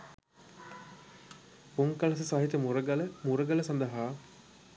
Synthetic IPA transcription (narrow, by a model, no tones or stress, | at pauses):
puŋkɐlɐs̬əsaɦit̪əmuɾəɡɐləmuɾəɡɐlɐsɐnd̪ɐɦaː